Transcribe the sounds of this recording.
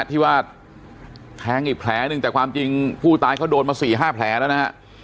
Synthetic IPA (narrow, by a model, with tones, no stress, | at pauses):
t̪ʰiː˥˩waː˥˩t̪̚ | pʰɛː˨˦˥ŋi˨˩pʰlɛː˩˥nɯ˧ŋt̪ɛː˨˩kʰwaː˧mt͡ɕi˧ŋpʰuː˥˩t̪aː˧jkʰa˦˥˩wdoː˧nmaː˧siː˨˩ɦaː˥˩pʰlɛː˩˦˥na˦˥˩na˦˥ɦa˦˥ʔ